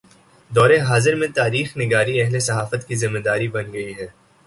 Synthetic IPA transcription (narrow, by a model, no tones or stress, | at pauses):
d̪ɔːɾeɦaːzɪɾmẽt̪aːɾiːxnɪɡaːɾiɛɦlesɐɦaːfət̪kizɪmːed̪aːɾibɐnɡɐiɦɛː